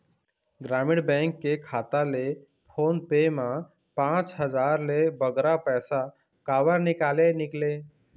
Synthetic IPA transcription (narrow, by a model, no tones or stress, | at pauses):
ɡɾamɪɽbɛ̃ŋkːekʰaːt̪ale | pʰoːnpemã | pãt͡ʃɦəd͡ʒaːɾlebəɡɾapɛːsa | kaːʋəɾnɪkaːlenɪkle